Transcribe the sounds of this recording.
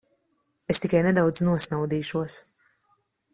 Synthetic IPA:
est̪ikajned̪awd̪znuɔsnawd̪iːʃuɔs

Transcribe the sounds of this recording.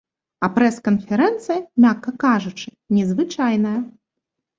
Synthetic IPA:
ɐpɾɛskɐnfʲɛɾɛnt̪sɨjɐmʲakːɐkaʐut͡ʂɨ | nʲɛzvɨt͡ʂajnɐjɐ

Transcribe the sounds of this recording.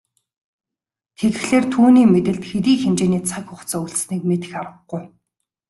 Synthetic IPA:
t̪ʰeɣɘ̆xɮeːrt̪ʰuːniːmet̪ɘ̆ɮt̪xet̪̬iːxemt͡ɕeːniːt͡sʰakʲxʊχt͡sɔːuɬsniːk̚met̪ɘ̆xaɾə̆χʊj

